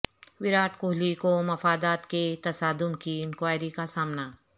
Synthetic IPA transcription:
ʋɪɾaːʈkʊɦlikomɐfaːd̪aːt̪ket̪ɐsaːd̪ʊmkiɪnkwaːɪɾikasaːmna

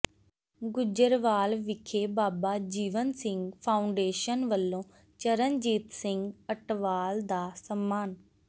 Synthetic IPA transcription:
ɡʊd͡ʒəɾʋaːlʋɪkʰeːbaːbaːd͡ʒiːʋənsɪ̃ŋɡpʰaːʊɳɖeːʃənʋəlːõː | t͡ʃəɾənd͡ʒiːt̪sɪŋɡəʈʋaːld̪aːsəmːaːn

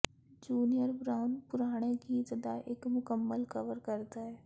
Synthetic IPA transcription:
d͡ʒuːnijəɾbɾaːʊnpʊɾaːɽ̃eɡit̪d̪aʔɪkmʊkəmːəlkəʋəɾkəɾt̪aɦɛː

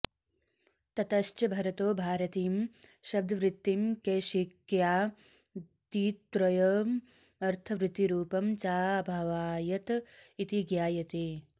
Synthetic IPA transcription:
t̪ɐt̪ɐʃt͡ʃɐbʱɐɾɐt̪oːbʱaːɾɐt̪iːmʃɐb̚d̪ʱɐʋɾɪt̪ːimkeːʃikjaː | t̪iːt̪ːɾɐjoːm | ɐɾt̪ʰɐʋɾɪt̪iɾuːpɐmt͡ʃaːbʱɐʋaːjɐt̪it̪iɡjaːjɐt̪eː

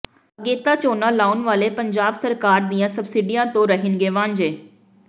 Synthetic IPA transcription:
əɡeːt̪aːt͡ʃoːnãːlaːunʋaːleːpəɲd͡ʒaːbsəɾkaːɾd̪iːãːsəbsɪɖiːãːt̪õːɾəɦɪnɡeːʋãːɲd͡ʒeː

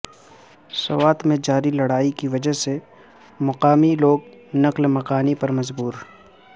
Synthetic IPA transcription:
sɐwaːt̪mẽd͡ʒaːɾilɐɽaːikiʋɐd͡ʒəɦse | mʊqaːmiloːɡ | nɐqlmɐqaːnipɐɾmɐzbuːɾ

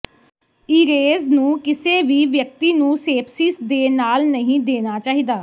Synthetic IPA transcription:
iːɾeːznũːkɪseːʋiːʋjək̚t̪iːnũːseːpʰsɪsd̪eːnaːlnəɦĩːd̪eːnaːt͡ʃaːɦiːd̪aː

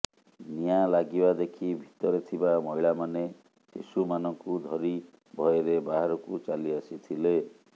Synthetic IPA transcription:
nijalaɡibad̪ekʰibʱit̪ɔɾet̪ʰibamɔiɭamane | sḭsumanɔŋkud̪ʱɔɾi | bʱɔjeɾebaɦaɾɔkut͡ʃaliasit̪ʰile

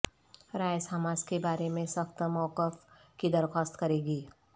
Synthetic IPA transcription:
ɾaːjsaːmaːd͡ʒkebaːɾemẽsəxt̪əmɔːkəf | kid̪əɾxɔːst̪kɐɾeːɡiː

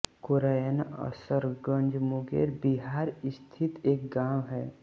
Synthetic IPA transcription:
kʊɾajənɔ̰ɾsəɾɡə̃ɲd͡ʒmʊɡḛːɾbiɦaːɾɪst̪ʰɪt̪eːk̚ɡãːwɦɛː

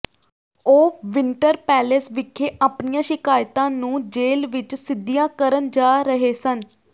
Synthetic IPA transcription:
oːʋɪɳʈəɾpɛːlɪsʋɪkʰːeːʔaːpnijãːʃɪkaːjt̪ãːnũːd͡ʒeːlʋɪt͡ʃsɪd̪ːijãːkəɾənd͡ʒaːɾəɦeːsən

